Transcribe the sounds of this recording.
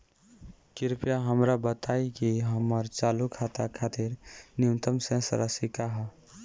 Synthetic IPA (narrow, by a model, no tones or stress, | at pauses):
kiɾpijaɦəmɾabət̪ajkiɦəməɾt͡ʃalukʰat̪akʰat̪iɾniunt̪əmsẽsə̰ɾəsikaɦə